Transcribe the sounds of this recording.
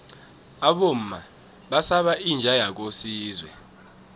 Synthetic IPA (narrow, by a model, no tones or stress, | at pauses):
aɓom̩ma | ɓasaɓaind͡ʒʱajak̬osiːzwɛ